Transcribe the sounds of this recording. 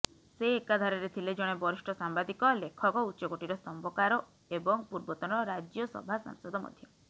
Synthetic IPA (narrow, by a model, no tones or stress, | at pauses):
seːkad̪ʱaɾɔɾet̪ʰiled͡ʒɔɽ̃ebɔɾisʈɔsambad̪ikɔlekʰɔkɔutːt͡ʃɔɡoʈiɾɔsɔmbɔkaɾɔ | ebɔŋpuɾbɔt̪ɔnɔɾad͡ʒjɔsɔ̰bʱasa̰ŋsɔd̪ɔmɔ̰d̪ʱjɔ